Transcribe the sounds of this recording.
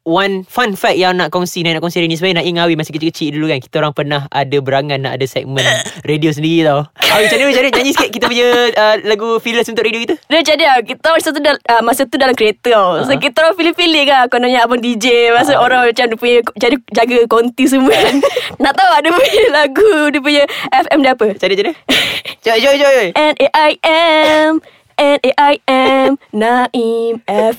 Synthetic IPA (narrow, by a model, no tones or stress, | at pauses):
wanfanfɛk̚jaŋnaʔkɔŋsinainaʔkɔŋsiɾenĩsəpajnaʔiŋawimasəkət͡ʃikət͡ʃiʔdulukankit̪aoɾaŋpərnaɦa̰dabəɾaŋat̪̚naʔadasɛ̰k̚mə̃nredios̬əndiɾit̪awawit͡ʃanəwid͡ʒanəd͡ʒaɲd͡ʒiskɪʔkit̪apuɲəəlaɡufiləsunt̪ʊkɾediokit̪ədət͡ʃadiakit̪aasat̪udaəmasət̪udalamkɾiet̪əsokit̪afilifiliʔkakonoɲaabʊndid͡ʒemas̬oʔoɾaŋat͡ʃamdipuɲəd͡ʒadid͡ʒaɡəkont̪is̬əmuannaʔt̪auaʔdəpuɲəlaɡudip̬uɲəʔɛfɛmdiapət͡ʃadiat͡ʃadiad͡ʒod͡ʒod͡ʒod͡ʒoʔɛneʔajʔɛm | ɛneʔajɛmnaʔimɛf